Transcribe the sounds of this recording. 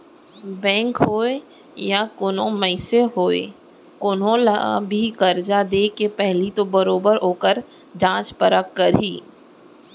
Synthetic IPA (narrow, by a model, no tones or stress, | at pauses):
bɛ̃ːŋkɦoːe | jakʊnõməɪseɦoːḛ | kʊnõla̰bʱikɐɾd͡ʒad̪eːkepɛɦlit̪obɐɾoːbəɾɦoːkəɾ | d͡ʒãːt͡ʃpəɾəkːɐɾiː